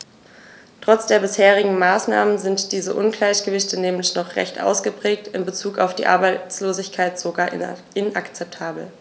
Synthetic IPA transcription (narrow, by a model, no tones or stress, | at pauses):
tʁ̥ɔt͡sd̥eːɐbɪsheːʁ̞ɪɡŋ̩maːsna̰ːmənzɪntd̥iːzəʔʊnɡlaɪçɡ̥əvɪçtənɛːmlɪçnɔχʁ̥ɛ̰çtʔa̰ʊsɡ̥əpʁ̥ɛːk̚tɪnbət͡suːka̰ʊfd̥ḭːʔa̰ɐbaɪt͡sloːzɪçkʰaɪtz̥oɡaːɐ | ɪnʔa̰kt͡sɛp̚tʰaːbl̩